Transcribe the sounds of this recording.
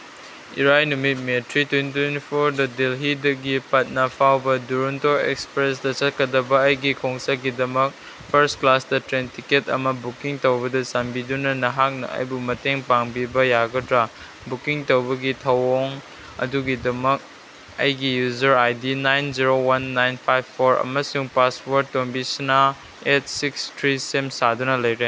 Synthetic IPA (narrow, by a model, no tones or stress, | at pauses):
ḭɾajnumit̚metɾitwenttwenipʰoɾdɐdelɦidɐɡipɐt̚nɐpʰawbɐduɾuntoɾḛkspɾesdɐsɐt̚kʰɐdɐbɐːjɡikʰoŋsaɡidɐmɐk̚ | pʰɐɾstklasdɐtɾentʰiketɐ̰mɐbukiŋtɐwbɐdɐsambidunɐnɐɦak̚nɐ̰ɐ̰jbumɐteŋpaŋbibɐjaɡɐtɾa | bukiŋtowbɐɡitʰɐwoŋ | ɐ̰duɡidɐmɐk̚ | ɐ̰jɡijuzɐɾajdinajnziɾowɐnːajnpʰajbpʰːoɾɐ̰mɐsuŋpaspoɾ̚tonbisina | et̚ʰsikstʰɾisemsadunɐlɐjɾe